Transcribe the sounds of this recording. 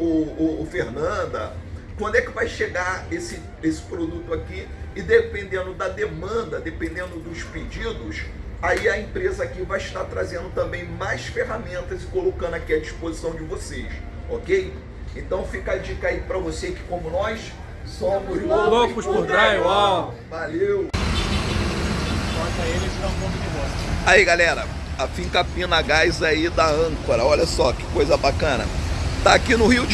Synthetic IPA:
ʊʊfeɾnɐ̃d̪ɐ̰kwɐ̃nd̪ʊɛkɪvajʃeɡaɾesɪ | esɪ̥pɾod̪ut̪ʊaki | ɪd̪epẽnd̪ẽnd̪ʊd̪ɐd̪emɐ̃nd̪ɐd̪epẽnd̪ẽnd̪ʊd̪ʊʃped͡ʒid̪ʊsaiɐẽpɾezɐakivajɪʃt̪aɾt̪ɾazẽnd̪ʊt̪ɐ̃mbẽj̃majsfeɦamẽnt̪ɐzɪkolokɐ̃nd̪ʊakiɐd͡ʒispozisɐ̃w̃d͡ʒɪvoseʃ | ɔkej | ẽnt̪ɐ̃w̃fikad͡ʒikaipɾɐvosekɪ̥kõmʊnɔjs | sõmʊzolokʊʃpud̪ɾaja | valew | fɔt̪ɐelɪsɐ̃põt̪ʊd͡ʒɪvɔsɐaiɡalɛɾɐ | afĩŋkapĩnɐɡajzaid̪ɐɐ̃koɾɐɔʎɐsɔkɪ̥kojzɐbakɐ̃nɐ̰t̪aːkinʊhiud͡ʒ

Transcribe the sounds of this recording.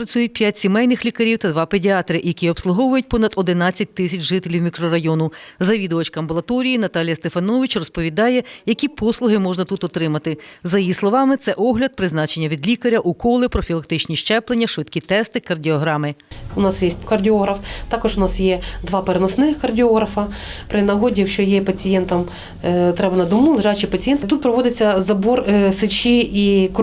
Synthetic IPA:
pɾɐt͡sʲujʊt̚ʲpʲjatʲsʲimɛjnɪxlʲikɐɾʲiwt̪ɐd̪ʋɑpedʲiɑt̪ɾɪʔjɐkʲiɔpslˠʊɦɔʋʊjʊt̚ʲpɔnɐd̪̥ɔd̪ɪnɑt͡sʲːɐt̚ʲt̪ɪsʲɐt͡ʃʒɪt̪elʲiwmʲikɾɔɾɐjɔnʊzɐʋʲid̪ɔʋɐt͡ʃkɐmbɔlˠɐt̪ɔɾʲijinɐt̪ɑlʲjɐst̪efɐnɔʋʲit͡ʃrɔspɔʋʲid̪ɑjɛjɐkʲipɔslˠʊɦɪmɔʒnɐt̪ut̪ɔt̪ɾɪmɐt̪ɪzɐjijislˠɔʋɑmɪt̪sɛʔɔɦlʲɐd̪̚pɾɪznɑt͡ʃenʲːɐʋʲid̪lʲikɐɾʲɐʔukɔlˠɪpɾɔfʲilˠɐk̚t̪ɪt͡ʃnʲiʃt͡ʃɛplˠenʲːɐʃʋɪt̪kʲit̪ɛst̪ɪkɐrdʲiɔɦɾɑmɪʊnɑsjesʲt̚ʲkɐrdʲiɔɦɾɐft̪ɑkɔʒʊnɑsjɛd̪ʋɑpeɾenɔsnɪxkɐrdʲɪɔɦɾɐfɐpɾɪnɐɦɔdʲijɐkʃt͡ʃɔjɛpɐt͡sʲijɛnt̪ɐm | t̪ɾɛbɐnɐd̪ɔmulˠeʒɑjt͡ʃɪpɐt͡sʲijɛnt̪t̪ut̪̚pɾɔʋɔd̪ɪt͡sʲːɐzɐbɔrsɪt͡ʃʲiik

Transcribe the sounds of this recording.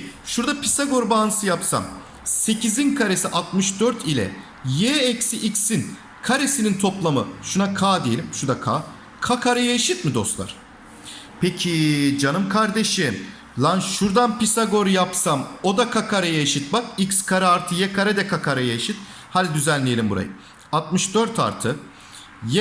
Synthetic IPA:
ʃuɾd̪apʰisaɡo̞ɾbaːnɯsɯjapsa̰m | se̞cizinkʰaɾesiʔat̪mɯʃd̪øɾt̪ʰilʲɛ̰ | jɛːcsiʔicsin | kʰaɾesinint̪ʰo̞plˠamɯ̰ʃunakʰaːd̪ejelʲimʃud̪akʰa̰ː | kʰakʰaɾajaiʃɯt̪mid̪o̞̰slˠa̰ɾ̥ | pecʰid͡ʒanɯmkʰaɾd̪e̞ʃim | lˠanʃuɾd̪anpisaɡo̞ɾjapsamo̞d̪akʰakʰaɾajaiʃit̪̚bakicskʰaɾɛaɾt̪ʰɯjɛkʰaɾɛd̪ɛkʰakʰaɾajaiʃit̪̚ | halʲid̪yzænlʲejelʲimbuɾa̰jɯ | at̪̚mɯʃd̪øɾt̪ʰa̰ɾt̪ʰɯ | jɛ

